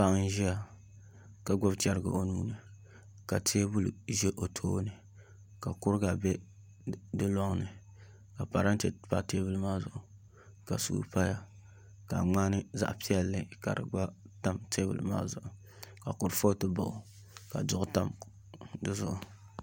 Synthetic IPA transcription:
pa˦n˦ʒi˦a˨ | ka˨ɡ͡bʊ˦btɛ˦ɾɨ˨ɡɨ̰˨o˦nuː˦nɨ˨ | ka˨tʰe˦bʊ˦lʒe˦ʔo˨tʰoː˦nɨ˨ | ka˨kʊ˦ɾɡa˨bɛ˦ | dɨ˦lɔ˦ŋ˦nɨ˨ | ka˨pa˨ɾa˦n˦tɛ˨pa˦˨teː˦bɨ˦lmaː˦zʊ˨ʔʊ˨ | ka˨sṵː˨pa˦ja˨ | ka̰˨ŋ͡maː˦nɨ˦za̰˦ʔpi˦ɛ˦lːɨ˨ka˨ɾɨ̰˨ɡ͡ba˦ta˦mteː˦bɨ̰˨lɨ̰˦ma̰ː˦zʊ̰˨ʔʊ˨ | ka˨kʊ˦ɾfo˦tɨ˦ba̰˨ʔʊ˨ | ka̰˨dʊ˦ʔʊ˦ta˦m | dɨ˦zʊ˦ʔʊ˨

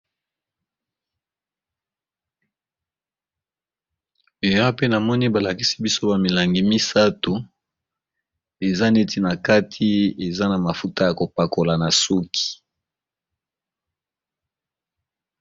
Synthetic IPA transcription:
e˨ja˦pe˦na˨mɔ˦ni˦ba˨la˨ki˦si̥˦bi˦so˦ba˨mi˨la˨ŋɡi˨mi˦sa˦to˨ | e˨za˦ne˦ti˦na˨ka˦tʰi˦e˨za˦na˨ma˨fu˦ta˦ja˨ko˨pa˨ko˨la˨na˨su˦kʰi̥˨

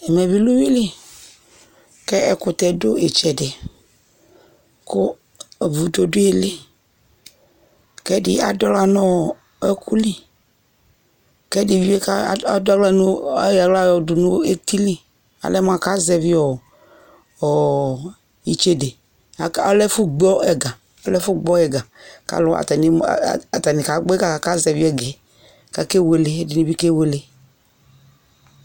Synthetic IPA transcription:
ɛ˨mɛ˨vi˦lu˦wi˦li˦ | kɛ˦ɛ˦kʊ˨t̪ɛ˨dʊ˦e˨t͡ʃɛ˨de˨ | kʊ˦˨ | vu˨do˨do˦e˦˨le˦ | kɛ˦di˦a˨dɔ˦la˦nɔ̃˦˨ | ɛ˦kʰu˦li˦ | kɛ˦di˨vi˦e˦ka˦˨˦dɔ˦lɛ˦nũ˦ja˨ɡla˦˨jɔ˨du˨nũ˦e˦t̪i˦li˦ | a̰˨lɛ˦m˦a˨ka˦zɛ˧vi˦ɔ˨ | ɔ˨ | i˨t͡ʃe˦de˨ | a˨˦ɔ˦lɛ˦fu˦ɡ͡bɔ˦ɛ˨ɡa˨ | ɔ˦lɛ˦fu˦ɡ͡bɔ˦ɛ˨ɡa˨ka̰˦lʊ˦a̰˨ta˨nḭ˨˦˨a˨ta˨ni˨ka˨˦ɡ͡bka˨a˨ka˦zɛ˨vi˦ɛ˨ɡɛ˨˦˨ | ka˨ke˦we˧le˦di˨ni˨vi˦ke˦we˨le˦

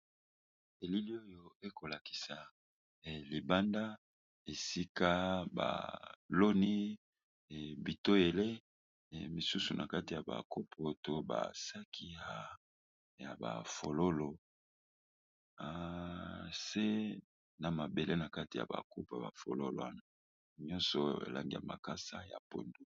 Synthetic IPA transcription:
e˨li˦li˦o˦jo˦e˦ko˨la˨ki̥˨sa˨ | li˨ba˦nda˦ | e˨si˦ka˦ba̰˨lo˦ni˦˨ | bi˨to˦e˨le˦˨ | mi˨su˦su˨nʔa̰˨ka˦ti˨ja˨ba̰˨ko˦pʰo˨to˦ba̰˨sa˦kʰi˦ha˦ | ja˨ba̰˨fo˨lo˦lo˨ | a˨ | se˦ | na˨ma˨be˨le˦na˨ka˦ti˨ja̰˨ba̰˨ko˦pa̰˨ba̰˨fo̰˨lo̰˦lo̰˨wa˦na˨ | ɲɔ˦nsɔ˨ḛ˨lʔa̰˨ŋɡi˦a̰˨ma̰˨ka˦sa˦ja̰˨po̰˨ndu˦

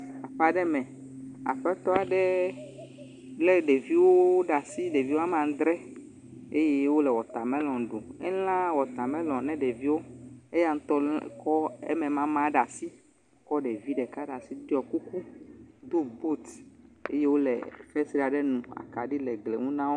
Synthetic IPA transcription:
a˨ɸa˨ɖɛ˦mɛ̃˨ | a̰˨ɸɛ˦t̪ɔ˦a˨ɖɛ˦ | lɛ˦ɖe˨vi˦wo˦ɖa˨si˦ɖe˨vi˦wo˦a˦mã˨˦d̪ɾɛ˦ | e˦je˦wo˦lɛ˨wɔ˨t̪a˨mɛ̃˦lɔ̃˨ɖo˨ɛ˦l̃ã˦wɔ˨t̪a˨mɛ̃˦lɔ̃˨nɛ̃˦ɖe˨vi˦wo˦e˦ja˦ŋ̩̃˦t̪ɔ˦kɔ˦ɛ̰˦mɛ̃˨mã˦mã˦ɖa˨si˦ | kɔ˦ɖɛ˨vi˦ɖɛ˨ka˦ɖa˨si˦d̪i˦ɔ˨ku˦ku˦d̪o˦bo˦t̪ḛ˦je˦wo˦lɛ̰˨fɛ˦si˦ɾa˨ɖɛ˦nũ˨a̰˨ka˨ɖi˦lɛ˨ɡlḛ˨ŋũ˦nã˦wo˦

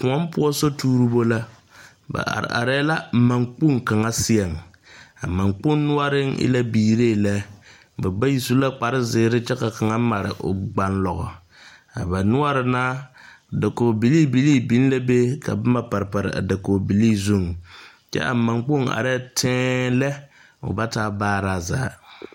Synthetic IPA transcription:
ku˨ɔ˦mpʊ˦ɔ˦so˦tuː˦ɾu˦bo˦la˦ | ba̰˨a̰˨ɾ̰ʔa̰˨ɾɛ˦la˦˨ma˨ŋk͡pu˦ŋka˨ŋa˦sɪ˦ɛ˨ŋ | a̰˨ma˨ŋk͡pʊ˦n˦nʊ˦a˦ɾɪ˦ŋɪ̰˦la˦biː˨ɾeː˦˨la˦ | bɛ˨ba˦ji˨su˦la˦k͡pa˨ɾɪ˦zɪ˨˦ɾɪ˦t͡ʃɛ˦ka˨ka˨ŋa˦ma˨ɾɪ̰˨ʔʊ̰˨ɡ͡ba˨nlɔ˨ɣɔ̰˨ | a˨ba˨nʊ˦a˦ɾɪ˨naː˦˨ | da˨ko˨bi˨li˦bi˨˦liː˦˨bi˦n˦la˦be˦ka̰˨bɛ˦ma˦pa˨ɾpa˨ɾɪ̰˨a̰˨da˨koː˨bi˨li˦zu˦˨ŋ | t͡ʃɛ̰˦ʔa̰˨ma˨ŋk͡po˦˨ŋa̰˨ɾɛː˦tʰɛ̃ː˦lɛ˦ | ʊ̰˨ba˦taː˦baː˦ɾaː˦˨za̰ː˨˦

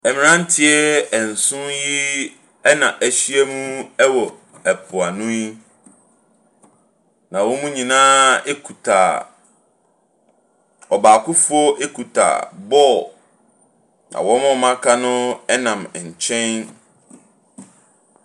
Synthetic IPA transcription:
ɛ˨mɪ̃˨nã˦n̩˦tʰɪ˦ɛ˦ɛ˨n̩˨sʊ̃˦ji˦ | ɛ˦nã˨ʔæ˨ɕi˦ɛ˦mũ˦ɛ˦wɔ˨ | ɛ˨pʰʊ˨a˨nũ˦i˦ | nã˨wɔ̃˦mũ˦ɲĩ˨nãː˦e˦kʰu˨tʰa̰˨ | ɔ˨ba˨kʰʊ˦fʊ˦ɔ˦ʔe˦kʰu˨tʰa̰˨bɔ˦ | nã̰˨wɔ̃˦mɔ̃˦˨mã˦kʰa˦nʊ̃˦ɛ˦nã˨m˨ɲ̩˨t͡ɕʰɛ̃˦n

